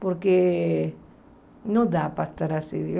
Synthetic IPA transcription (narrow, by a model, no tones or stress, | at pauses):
poɾke | nod̪apaest̪aɾasḭði